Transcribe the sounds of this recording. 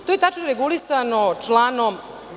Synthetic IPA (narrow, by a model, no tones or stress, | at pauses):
t̪ojet̪at͡ʃnoɾeɡulisanot͡ʂlˠaːnom | z